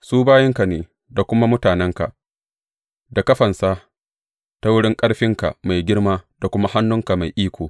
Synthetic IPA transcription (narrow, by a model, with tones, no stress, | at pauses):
suː˦baː˦jɛ˦ŋka˨neː˨ | da˨kʷʊ˦ma˦mʊ˦taː˨nɛ˦ŋka˨ | da˨kɐ˦ɸɐ˨nsa˦ | ta˦wʊ˦ɽɪ˦ŋkʼɐ˦ɽɸɪ˦ŋka̰˨ma˨jɡʲɪ˦ɽmaː˦d̥a˨kʷʊ˦ma˦ha˦nːʊ˦ŋka˨ma˨jʔiː˦kʷʰoː˨